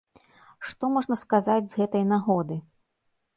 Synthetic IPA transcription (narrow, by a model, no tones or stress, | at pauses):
ʂt̪ɔmɔʐnɐskazad͡zʲzɣɛt̪ɐjnaɣɔd̪ɨ